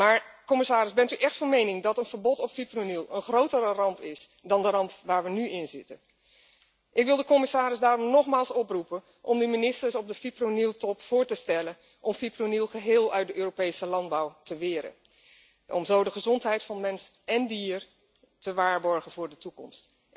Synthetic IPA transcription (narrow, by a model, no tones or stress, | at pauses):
maːɹkɔmɪsaːɾɪzbɛntyʔɛχtfɑnmejnɪŋdɑtənv̥əɹbɔtɔpfipronilˠənχrowtərərɑmpɪs | dɑndərɑmpʋaːɹʋənyɪnzɪtən | ʔɪkʋɪlˠdəkɔmɪsaːɾɪsdaːrɔmnɔχmaːlˠsɔprupən | ʔɔmdyminɪstəɹsɔb̚dəfipronilˠtɔpfʊːɹtəstɛlən | ʔɔmfipronilˠχəɦɪːlˠœɥtdəʔøːropejsəlɑnd̚bɑwtəʋɪːɾə̰ | ʔɔ̰mzowdəχəzɔntɦɛjtfɑnmɛns | ɛndiːɹ | təʋaːɹbɔɹχənv̥ʊːɹdətukɔ̰mst